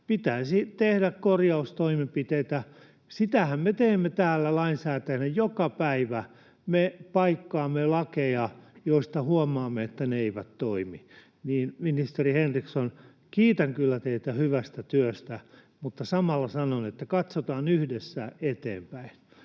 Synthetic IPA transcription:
pit̪æːsit̪ehdækkorjɑust̪oimempit̪eit̪æ | sit̪æhæmmet̪eːmːet̪æːlːælɑinsæːt̪æjnæjokɑpæiʋæ | mepɑikːɑːmːelɑkejɑjoist̪ɑhuɔmɑːmːeet̪ːæneeiʋæt̪toimi | niːnminist̪erihenrikson | kiːt̪ɑŋkylːæt̪eit̪æhyʋæst̪æt̪yøst̪æ | mut̪ːɑsɑmɑlːɑsɑnonet̪ːækɑt̪sot̪ɑːnyhdesːæet̪ḛːmpæin

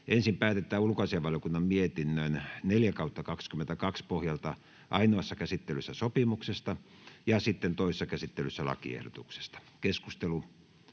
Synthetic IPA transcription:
ensimpæːt̪et̪ːˑæːulkoɑsiɑʋɑljokunːɑmmiet̪inːønneljækɑut̪ːɑkɑkskymːent̪ækɑkspohjɑlt̪ɑ | ʔɑinoɑsːɑkæsit̪ːelysːæsopimuksest̪ɑ | jɑsit̪ːent̪oˑise̥sɑkæsit̪ːelysːælɑ̰kḭḛhdo̰t̪ukse̥st̪ɑ̥ | keskust̪elu

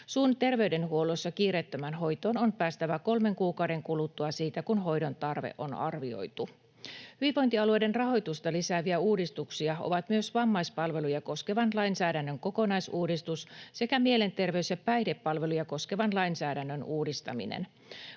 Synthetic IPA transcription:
suːnt̪e̞rʋe̞yde̞nɦuo̞losːɑkiːret̪ːømænɦo̞jt̪o̞ːno̞npæːst̪æʋæko̞lme̞ŋkuːkɑwde̞ŋkulut̪ːuɑsiːt̪ækunɦo̞jdo̞nt̪ɑrʋḛʔo̞̰nɑ̰rʋio̞̰jt̪u | hyʋiʋo̞jnt̪iɑlue̞de̞nrɑɦo̞jt̪ust̪ɑlisæʋiæuːdist̪uksiɑo̰ʋɑt̪myøsʋɑmːɑjspɑlʋe̞lujɑko̞ske̞ʋɑnlɑinsæːdænːøŋko̞ko̞nɑjsuːdist̪usse̞kæmie̞le̞nt̪e̞rʋeyseppæjdepːɑlʋe̞lujɑko̞ske̞ʋɑnlɑjnsæːdænːønuːdist̪ɑ̰mḭnḛn

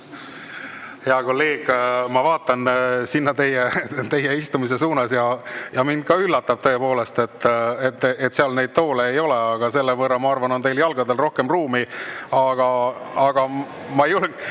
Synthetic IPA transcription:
heɑko̞lːe̞ːɡ̥mɑvɑːt̪ːˑɑnsinːɑt̪e̞jet̪e̞jːeist̪umis̬e̞suːnɑsjɑjɑmind̪̥̚kɑylːɑt̪ːɑb̥̚t̪ɤ̞epo̞ːle̞st̪e̞t̪ːet̪ːet̪ːseɑlne̞jd̪̥̚t̪o̞ːleːjo̞leɑɡ̥ɑse̞lːevɤrːɑmɑɑrvɑno̞nt̪e̞jljɑlɡ̥ɑd̪e̞lro̞hke̞mruːmiɑɡ̥ɑ | ɑɡ̥ɑ | mɑejolɡ

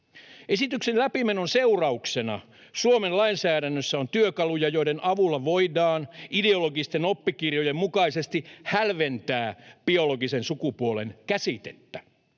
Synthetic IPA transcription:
ʔesit̪yksenlæpimenonseurɑuksenɑ̰ | suomenlɑinsæːɾænːøsːæont̪yøkɑlujɑjo̞iɾenʔɑʋulːɑʋo̞idɑːnideoloɡist̪enopːikirjojemmukɑisest̪ihælʋent̪æːb̥ioloɡisensukupuolḛnkæsit̪et̪ːæ

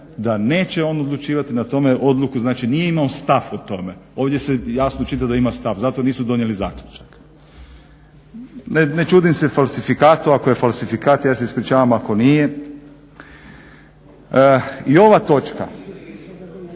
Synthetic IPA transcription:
d̪ane̞ːt͡ʃe̞o̞nod̪lˠut͡ʃiːʋat̪inat̪o̞me̞ʔo̞d̪lukuznaːt͡ʃinijeimaost̪afot̪o̞me̞o̞ːʋd̪ʲje̞sejasnot͡ʃit̪ad̪aimast̪afzat̪oniːsud̪o̞njelizaːklʲut͡ʃḁk | nenet͡ʃuːd̪imsefalsifikaːt̪uako̞jefalsifikaːt̪jaːseispɾit͡ʃaːʋamako̞nije | io̞ʋat̪o̞t͡ʃka̰

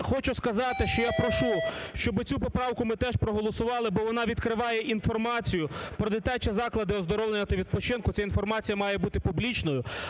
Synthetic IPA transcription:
xɔt͡ʃʊskɐzɑt̪ɪʃt͡ʃɔjapɾɔʃuʃt͡ʃɔbɪt͡sʲupɔpɾɑwkʊmɪt̪ɛʃpɾɔɦɔlˠɔsʊʋɑlˠɪbɔʋɔnɑʋʲid̪kɾɪʋɑjɛʔin̪fɔrmɑt͡sʲijʊpɾɔd̪ɪt̪ʲat͡ʃɛzɑklˠɐd̪ɪɔzd̪ɔɾɔʋlenʲːɐt̪ɐʋʲid̪̚pɔt͡ʃɪnkʊt͡sʲainfɔrmɑt͡sʲijɐmɑjɛbut̪ɪpublʲit͡ʃnɔjʊ

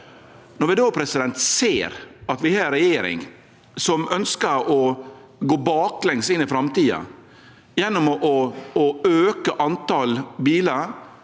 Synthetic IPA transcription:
nɔɾʋɪd̪oːpʰɾɛsɪd̪ɛnt̪seːɾɑt̪ʋɪhɑːɾɾɛjeːɾɪ̰ŋ | sɔmœnskəɾɔ | ɡoːbɑːklɛŋsɪnɪfɾɑmt̪iːɑ̰ | jɛnːɔmɔʔɔɔøːkəʔɑnt̪ɑlbiːləɾ

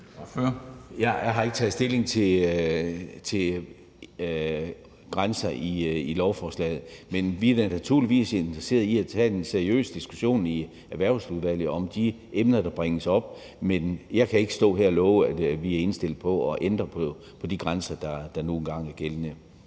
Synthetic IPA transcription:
fjɑjɑ̈ɪɦɑ̈e̝ɡ̥ə̥t͡sʰɛð̩ˠsd̥e̝le̝ŋt͡sʰe̝l | t͡sʰe̝ | ɡ̥ʁansɐiilɒʊfɒːslɛ̰ːɪð̞̩ˠmenʋidænæt͡sʰuɐ̰liʋḭːse̝nd̥ʁɐse̝̰ːɐðˠiæt͡sʰɛ̰d̥enseɐiø̰ːsəd̥isɡ̥uɕo̝̰ːni | æɐʋæɐʊsuðˠʋæl̰ð̩ˠɒ̽md̥i | ʔemnɐd̥ɑ̈b̥ʁeŋəsɒ̽b̥̚ | menjɑ̈ɪkʰæe̝ɡ̥ə̥sd̥ɔ̰̽ːɦeɐ̰ɒlɔːʊæd̥ʋiæɐe̝nsd̥e̝l̰d̥̩ˠpʰɒ̽ɒ̽ʔend̥ʁɐpʰɒ | pʰɒ̽d̥iɡ̥ʁansɐd̥ɑ̈d̥ɑ̈no̝ːn̩ɡ̥ɑ̈ŋ̰æɐɡ̥elnə

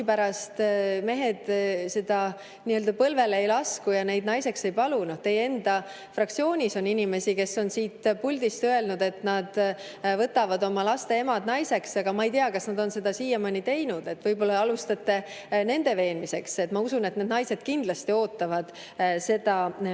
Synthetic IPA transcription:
pæɾɑst̪me̞ɦe̞d̪̥se̞d̪̥ɑ | niøld̪ɑpɤlve̞leejlɑskujɑne̞jd̪nɑjse̞kse̞jpɑlunoht̪e̞jee̞nd̪̥ɑ | frɑk̚t̪sio̞ːnʲiso̞ninime̞sike̞sːo̞nsiːt̪pulʲd̪ist̪øe̞lnud̪̥e̞t̪nɑd̪̥ | vɤt̪ːˑɑvɑd̪o̞mɑlɑst̪e̞e̞mɑd̪̥nɑjse̞ksɑɡ̥ɑmɑejt̪eɑkɑsnɑd̪o̞nse̞d̪̥ɑsiːjɑmɑnit̪e̞jnud̪̥e̞t̪ːvɤjbo̞lːɑɑlust̪ɑt̪ːe̞ | ne̞nd̪̥e̞ve̞ːnmise̞kse̞t̪ːmɑusune̞t̪ned̪nɑjse̞d̪̥kind̪lɑst̪io̞ːt̪ːˑɑvɑd̪̥ | se̞d̪̥ɑ

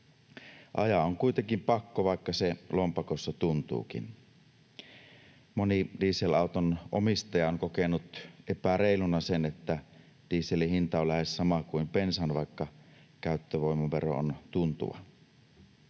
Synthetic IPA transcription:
ʔɑ̰jɑoŋkuit̪eŋkimpɑkːoʋɑˑikːɑselompɑkosːɑt̪unt̪ṵːkḭn | monidiːsːelɑˑut̪onʔomist̪ɑjɑoŋkokenut̪epæreˑilunɑsenet̪ːæ | d̥iːselihint̪ɑolæhessɑmɑkuimpensænʋɑˑikːɑ | kæˑyt̪ːøʋoimɑʋero̰o̰nt̪unt̪ṵʋɑ̰

